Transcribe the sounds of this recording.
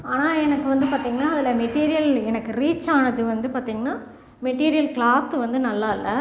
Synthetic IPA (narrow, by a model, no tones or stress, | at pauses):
aːnaːɛnɐkːɯʋɐnd̪ɯpaːɾt̪iːŋɡɐnːaːɐðɪlɐmɛʈːiːɾɪjɐlɛnɐkːɯɾiːt͡ʃːaːnɐðɯʋɐnd̪ɯpaːɾt̪iːŋɡɐnːaː | mɛʈiːɾɪjɐlkɭaːt̪ːɯʋɐnd̪ɯnɐlːaːɪlːɐ